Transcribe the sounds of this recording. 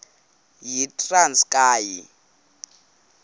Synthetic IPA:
jitʼranskʼaːji

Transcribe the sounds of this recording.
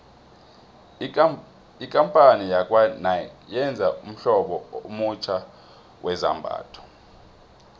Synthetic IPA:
ikʼampʼanijakʼwanajɛnd͡zʱaum̩ɬɔɓɔomut͡ʃʰʼa | wʔɛza̰mbʱa̰ːtʰɔ̥

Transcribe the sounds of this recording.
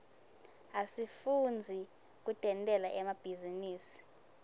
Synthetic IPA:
asifund͡zʱi | k̬ʼutʼɛntʼɛlaʔɛmab̥ʱiziniːsi̥

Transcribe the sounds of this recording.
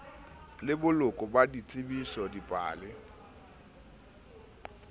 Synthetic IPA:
lɪbʊlʊkʼɔbadit͡sʼɪbisɔdipʼa̰ːlɪ

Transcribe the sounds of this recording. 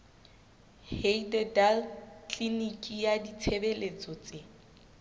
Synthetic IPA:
heidɛdalkʰlinikʼijadit͡sʰebelet͡sʼɔt͡sʼe

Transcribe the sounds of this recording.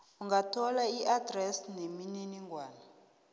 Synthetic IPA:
uŋɡatʰɔlaiʔadrɛsnemininiŋɡʱwaːna

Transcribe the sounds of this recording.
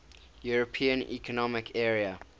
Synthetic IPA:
juɹəpʰĩə̃nḭkʰɔnɔmɪkʰɛɹiə

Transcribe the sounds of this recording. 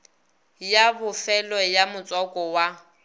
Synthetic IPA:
jabʊfɛlɔjamʊt͡sʼɔkʼɔwa

